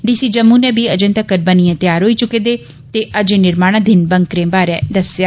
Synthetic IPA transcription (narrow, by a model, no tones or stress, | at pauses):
ɖiːsiːd͡ʒəmũːnɛ̃ːbiːəd͡ʒə̃nt̪əkəɾbənijãːt̪jaːɾɦoːiːt͡ʃʊkeːd̪eː | t̪eːʔəd͡ʒẽnɪɾmaːɽ̃ãːd̪ɪnbəŋkɾẽːbaːɾɛːd̪əsjaː